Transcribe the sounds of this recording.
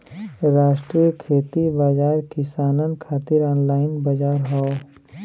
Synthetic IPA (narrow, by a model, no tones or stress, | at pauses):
ɾaːʃʈɾijəkʰeːt̪ibaːd͡ʒaːɾkɪsaːnənkʰaːt̪ɪɾɔːnlaːɪnbad͡ʒaːɾɦɔo